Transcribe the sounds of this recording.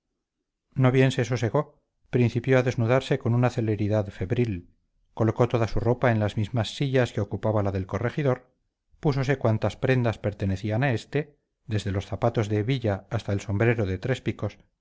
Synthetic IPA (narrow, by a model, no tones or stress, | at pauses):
no̞βje̞nse̞sose̞ɣo̞ | pɾin̟θipjo̞aðe̞znuðaɾse̞ko̞nunaθe̞le̞ɾiðaðfe̞βɾil | ko̞lo̞ko̞t̪o̞ðasuro̞pae̞nlazmizmasːiʎaske̞o̞kupaβalaðe̞lko̞re̞xiðo̞ɾ | puso̞se̞kwant̪aspɾe̞nd̪aspe̞ɾt̪e̞ne̞θianae̞st̪e̞ | ðe̞zðe̞lo̞sθapat̪o̞zðeβiʎaːst̪aelso̞mbɾe̞ɾo̞ðe̞t̪ɾe̞spiko̞s